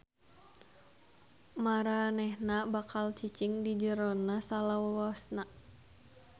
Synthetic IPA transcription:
maɾanɛhnabakalt͡ʃit͡ʃiŋdid͡ʒəɾɔnasalawawasna

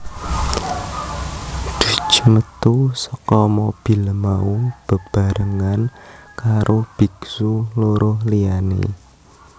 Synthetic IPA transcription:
d̪̥ṳt͡ʃəmət̪usəkɔmob̥i̤ləmaub̥ə̤b̥a̤ɾəŋankaɾʔob̥iksuloɾʊhlianḛ

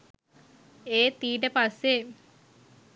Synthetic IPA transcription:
eːt̪iːʈəpasːe

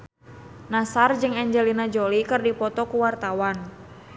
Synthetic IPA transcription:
nasard͡ʒɨŋɛɲd͡ʒɛlinad͡ʒɔlikɨrdipɔt̪ɔkuwart̪awan

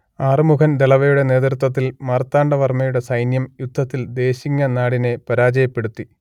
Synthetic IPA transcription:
aːrɨmukʰɐnd̪eɭɐʋɐjuɽe̞ne̞ːt̪rut̪wɐt̪̬ːilmɐrt̪ːaːɳɖɐʋɐrmɐjuɽe̞sɐjnjɐmjud̪ʱːɐt̪ːild̪e̞ːɕiŋːɐnaːɽine̞pɐɾaːd͡ʑɐjɐpːe̞ɽut̪ːi

